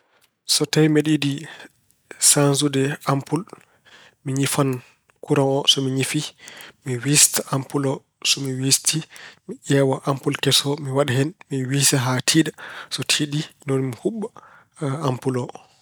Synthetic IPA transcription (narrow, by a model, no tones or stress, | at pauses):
sɔtajmeɗidi | sansudɛampul | miɲifan | kuɾaŋɔsɔmiɲifimiwistaʔampulɔ | sɔmiwistimiʔɛwɔʔampulkɛsɔmiwaɗaɦɛnmiwisaɦatʰiːdasɔtʰidinonmihuɓːa | ampulɔ